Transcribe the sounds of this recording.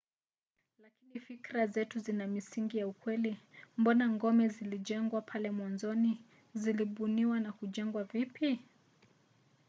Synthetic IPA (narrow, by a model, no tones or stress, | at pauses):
lakinifikɾazɛtuzinamisiŋɡijaukwɛlimbɔnaŋɡɔmɛziliʄɛŋɡwapʰalɛmwanzɔni | ziliɓuniwanakuʄɛŋɡwavipi